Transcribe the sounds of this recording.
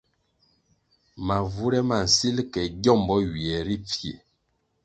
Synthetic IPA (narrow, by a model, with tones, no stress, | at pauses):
ma˨vu˦ɾɛ˦ma˨n̩˨si˦lkɛ˨ɟɔ˦˨mbɔ˦ɥi˨ɛ˨ɾi˦p͡fje˨